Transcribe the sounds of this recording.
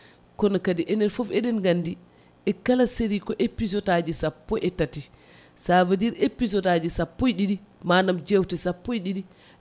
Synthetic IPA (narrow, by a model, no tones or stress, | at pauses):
kɔnɔkadiʔɛnɛlfɔfɛɗɛnɡandi | ʔɛkalaseɾikɔʔepisɔtad͡ʒisapːɔʔɛtati | savadiɾepisɔtad͡ʒisapːɔjɗiɗimanamd͡ʒɛwtɛsapːojɗiɗi